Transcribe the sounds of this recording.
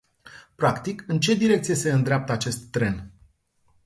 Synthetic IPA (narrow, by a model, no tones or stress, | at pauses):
pɾakt̪ikɨnt͡ʃe̞d̪iɾe̞k̚t̪sije̞se̞ɨnd̪ɾeap̚t̪əat͡ʃe̞st̪ːɾe̞n